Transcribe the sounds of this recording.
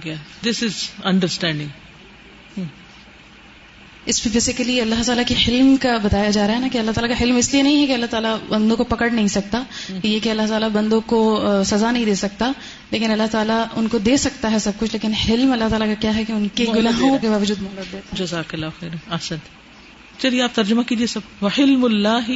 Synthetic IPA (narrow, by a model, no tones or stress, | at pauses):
ɡad̪ɪsɪzɐ̃ɳɖəɾsʈɛ̃ːɳɖɪ̃ŋ | ɪspebeːsɪkəliɐlːaɦt̪aːlakiħɪlmkabɐt̪aːjad͡ʒaːɾaɦɛnakiɐlːaɦt̪aːlakaɦɪlmɪslienɐɦĩɦɛkiɐlːaɦt̪aːlabɐ̃nd̪õkopɐkəɽnɐɦĩsɐk̚t̪ajekiɐlːaɦt̪aːlabɐ̃nd̪õkosɐzanɐɦĩd̪eːsɐk̚t̪a | leːkɪnɐlːaɦt̪aːlaʊnkod̪eːsɐk̚t̪aɦɛsɐb̚kʊt͡ʃʰleːkɪnħɪlmɐlːaɦt̪aːlakakjaːɦɛkeʊnkeɡʊlaːɦõkebaːʋəd͡ʒuːd̪mɐɦləd̪d̪eːt̪ad͡ʒɐzaːkɐlːaːɐxɛːɾɛɐhsɐ̃nt̪ | t͡ʃɐlijeaːp̚t̪ɐɾd͡ʒʊmakiːd͡ʒiesɐbʋɐħɪlmʊlːaːɦi